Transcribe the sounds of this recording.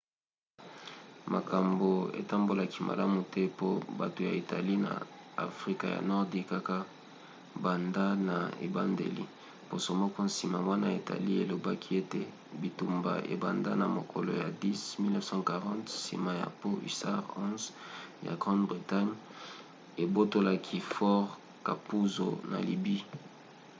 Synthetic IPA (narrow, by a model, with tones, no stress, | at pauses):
ma̰˨ka˨mbo˨ḛ˨ta˦mbo˦la˦ki˦mʔa̰˨la˦mu˨tɛ˦po˦ba˨to˨ja̰˨i˨ta̰˨li˦na̰˨a̰˨fʁi˦ka˨ja̰˨nɔ˦ʁdi˦ka˦ka˦ | ba˨nda˦na˨ḛ˨ba˦ndḛ˨lḭ˨ | po˨so˨˦mɔ˦kɔ˦si˨ma˨wa˦na˦e˨ta̰˨li˦e˨lo˨ba˦kʰi˦e˦te˦ | bi˨tu˨mba̰˨ʔḛ˨ba˨nda˦na˨mo˨kʰo˨lo̰˨ja˨di˦smi˦lnɛ˦fsɑ̃˦ka˨ʁɑ̃˦ntsḭ˨ma˦ja̰˨po˦ʔḭ˨sa˦ʁɔ̃˦zja̰˨ɡʁɑ̃˦ndbʁi˨ta˦ɲ | e˨bo˦to˦la˦kʰi˦fɔ˦ʁ | ka˨pu˦zo̰˨na̰˨li˨bi˦